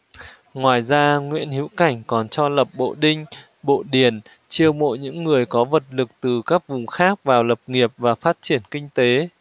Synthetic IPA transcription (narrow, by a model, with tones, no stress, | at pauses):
ŋwaː˨˩jzaː˧ŋwḭ˧˥ənhi˨˦wka˧˩jŋ̟kɔ˨˩nt͡ɕɔ˧lə˨˩p̚ɓo̰˧˨ɗï˧ŋ̟ | ɓo̰˧˨ɗi˧˩ən | t͡ɕi˧əwmo̰˧˨jɲɨ̰˧˥ŋːɨ˨˩əjkɔ˨˦və˨˩t̚lɨ˨˩k̚t̪ɨ˨˩kaː˦˥k̚vʊ˨˩ŋ͡mxaː˦˥k̚vaː˨˩wlə˨˩p̚ŋi˨˩əp̚vaː˨˩faː˦˥t̚t͡ɕi˧˩ənkï˧ŋ̟t̪e˨˦